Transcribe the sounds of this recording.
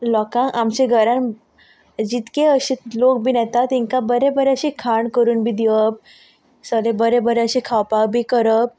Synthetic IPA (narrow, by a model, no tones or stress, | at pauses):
lɔkãŋamt͡ɕeɡʱəɾãn | d͡ʑit̪keəɕit̪lok̚bʱiːnɛt̪at̪iŋkabəɾebəɾeəɕikʰaɳkəɾuːnbʱiːd̪iʋəp̚ | səlebəɾebəɾeəɕekʰawpabʱiːkəɾəp̚